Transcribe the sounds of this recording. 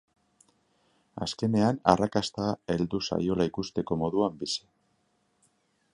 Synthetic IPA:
aske̞ne̞anarakast̪ae̞ld̪usa̰jo̞laikust̪e̞ko̞mo̞ðuambise̥

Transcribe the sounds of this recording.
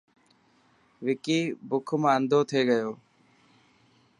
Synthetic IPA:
ʋɪkiːbʊkʰmãːənd̪ʱoːt̪ʰeːɡəjoː

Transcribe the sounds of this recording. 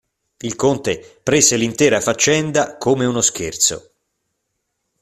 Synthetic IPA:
ilkont̪epɾeːselint̪ɛːɾafat͡ʃːɛnd̪akʰomeunoskert̪so̰

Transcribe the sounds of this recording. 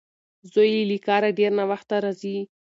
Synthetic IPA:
zojilikɑɾaɖeɾnawaxt̪aɾazi

